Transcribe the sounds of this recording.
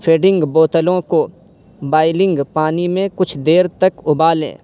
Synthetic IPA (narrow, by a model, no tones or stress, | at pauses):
fʰeːɖɪ̃ŋɡboːt̪əlõko | baːɪlɪ̃ŋɡpaːnimẽkʊt͡ʃʰd̪eːɾt̪ɐkʊbaːlḛ̃ː